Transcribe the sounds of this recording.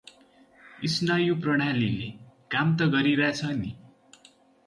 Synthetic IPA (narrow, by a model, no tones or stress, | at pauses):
isnʌjuprʌɽ̃alilekamt̪ʌɡʌɾiɾat͡sʰʌni